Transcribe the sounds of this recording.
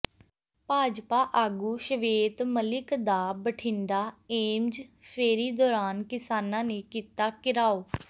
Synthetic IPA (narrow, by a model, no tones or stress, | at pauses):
paːd͡ʒpaːʔaːɡuːʃəʋeːt̪məlɪkd̪aːbəʈʰɪ̃ɳɖaːeːmd͡ʒpʰeːɾiːd̪ɔːɾaːnkɪsaːnãːneːkiːt̪aːkɪɾaːoː